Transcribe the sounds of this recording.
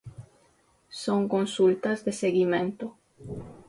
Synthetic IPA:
soŋkõnsult̪ɐzðeseɣimẽnt̪ʊ

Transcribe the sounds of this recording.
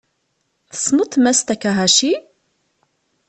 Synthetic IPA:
θə̥smʊt̪mæst̪ækːæɦæʃi

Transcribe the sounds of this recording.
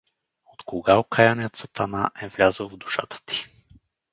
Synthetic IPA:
ot̪koɡaokʰajanijət̪sət̪anaʔɛvlʲazəlˠvd̪u̥ʃa̰t̪ʰə̥t̪i̥

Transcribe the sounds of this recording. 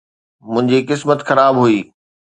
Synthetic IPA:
mʊ̃ɦɪ̃ɲd͡ʑikɪsmət̪xɐɾaːbɦuiː

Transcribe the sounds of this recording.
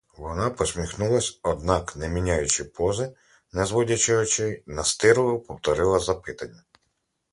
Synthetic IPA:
ʋɔnɑpɔsʲmʲixnulˠɐsʲɔd̪̚nɑknɛmʲinʲajʊt͡ʃɪpɔzɪ | nɛzʋɔdʲɐt͡ʃɔɦɔt͡ʃɛjnɐst̪ɪɾʊʊpɔwt̪ɔɾɪlˠɐzɐpɪt̪ɐnʲːɐ

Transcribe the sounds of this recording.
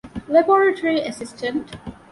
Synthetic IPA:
ləbɔɹətʰəɹiəsɪstə̃nt

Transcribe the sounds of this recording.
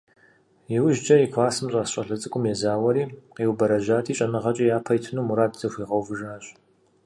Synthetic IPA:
jɛwʒd͡ʒɐjɪkʷʰaːsɨmɕʼɑːsɕʼɐɬɐt͡sʼɨkʷʼʊmjɛzaːwɐɾiːqewbɐɾɐʑaːtʰiːɕʼɐnɨʁɐt͡ʃʼɐjaːpʰɐjtʰɨnuːmuɾaːdzɐxʷiːʁɐwvɨʒaːɕʼ

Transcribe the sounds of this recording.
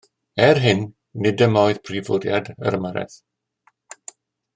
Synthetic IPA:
ɛrɦɪnː | ɪdəmɔɨðpʰrivʊdja̰də̰ɾmaɾɛ̰θ

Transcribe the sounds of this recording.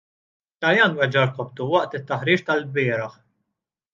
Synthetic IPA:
t̪ɐjɐːnwɛd͡ʒɐɾk̪ɔp̚t̪uwɐʔt̪ɪt̪ːɐħɾiːt͡ʃt̪ɐlbɪːɾɐħ

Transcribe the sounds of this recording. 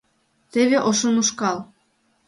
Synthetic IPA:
t̪eβeʔoʃonuʃkɑl

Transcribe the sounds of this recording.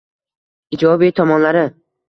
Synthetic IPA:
ɪd͡ʒɒbit̪ʰɒmɒnlaɾɪ

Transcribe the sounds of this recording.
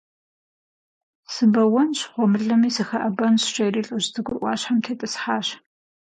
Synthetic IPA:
sɨbɐwɔnɕχʷɔmɨɮɐmiːsɨxɐʔɐbɐnɕɕʼɐjɾiːɬʼəʑdɨɡʷʊrʔʷɑ̰ːɕħamtʰeːtʼɨsħaːɕ

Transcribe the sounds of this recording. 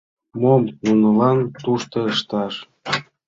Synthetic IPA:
momnunɤ̆lɑnt̪uʃt̪ɤ̆əʃt̪ɑʃ

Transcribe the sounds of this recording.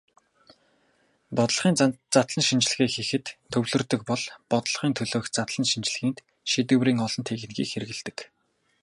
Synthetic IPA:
pɔt̪ɮχiːnt͡sat̪ɮə̆nʃint͡ɕɪ̆ɮ̆ɣiːxexɘ̆t̪t̪ʰɵwɮɵ̆rt̪ɵ̆k̚pɔɮpɔt̪ɮ̆χiːnt̪ʰɵɮoːkt͡sat̪ɮə̆nʃint͡ɕ̆ɮɣiːnt̪ | ʃit̪ɘ̆wriːŋɔɮɞ̆nt̪ʰeɣɘ̆nɡḭːkxeɾɘ̆ɣɘ̆ɮt̪ɘ̥̆k

